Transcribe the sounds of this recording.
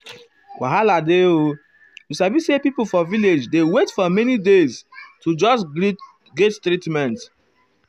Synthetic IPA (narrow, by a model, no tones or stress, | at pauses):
wʔa̰ɦaladeo | jusabisepipofɔviled͡ʒdewetfɔmɛnideztʰud͡ʒɔs | ɡettɾitmɛ̃nt